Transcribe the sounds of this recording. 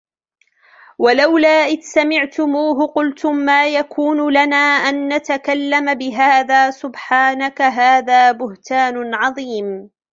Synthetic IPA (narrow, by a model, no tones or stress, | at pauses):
walawlaːʔɪðsamɪʕt̪ʊmuːɦʊqʊlt̪ʊmːaːjakʰuːnʊlanaːʔanːat̪akalːamabɪɦaːðaːsʊbħaːnakaɦaːðaːbʊht̪aːnʊʕɑðˤiːm